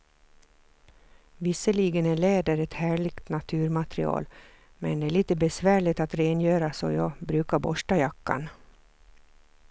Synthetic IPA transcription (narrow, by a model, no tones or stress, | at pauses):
vɪsəɭiːɡənɛɭeːd̪əɾɛt̪hæːɭɪɡt̪nat̪ʰʉːɾmat̪ɾɪ̰ɑ̰ːl | mɛnd̪ɛæːɭiːt̪əbɛsvæːɭɪt̪at̪ɾeːnjøːɾasɔ̰jɑːbɾʉːkaɾbɔʂʈajakːa̰n